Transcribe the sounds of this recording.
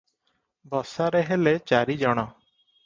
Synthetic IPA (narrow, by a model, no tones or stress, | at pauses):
bɔsaɾeɦelet͡ʃaɾid͡ʒɔɽ̃ɔ